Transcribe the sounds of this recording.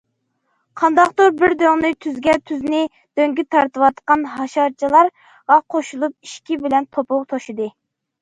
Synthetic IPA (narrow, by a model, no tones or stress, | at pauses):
qʰɑnd̪ɑqt̪oɾbɪɾd̪øŋnɨt̪ʰyzɡʲɛt̪ʰyznɪ | d̪̥øŋɡʲit̪ʰɑɾt̪ɨwɑt̪qɑnɦɑʃɑɾt͡ʃʰilˠɑɾ | ʁɑqʰoʃulˠup̚iʃkʲibɪlɛnt̪ʰopʊwt̪ʰoʃid̪ɨ